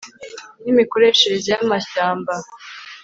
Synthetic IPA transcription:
nimiko̞ɾe̞ʃezijamaɕaːmba

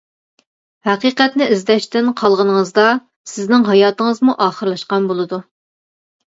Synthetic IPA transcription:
hæqiːqɛt̪nɪʔizlɛʃt̪ɪnqʰɑlˠʁənəŋəzd̪ɑ | sɪznɪŋɦɑjɑːt̪əŋəzmuʔɑːχəɾlˠɑʃqɑnbolˠɨd̪u

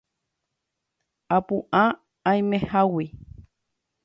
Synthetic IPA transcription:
apuʔã | aĩmẽhawi

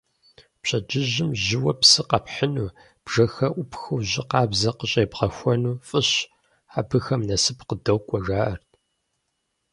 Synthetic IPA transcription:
pɕʼɐd͡ʒɪʑɪmʑɪwɐpsɨqɐpħənuː | b̥ʒɐxɐʔʷʊpxɐwʑɪqɑːbzɐqəɕʼejpʁɐxʷɔnuːfʼɨɕ | aːbɨxɐmnɐsɨpqədɐwkʷʼɔʒaːʔɐrtʰ

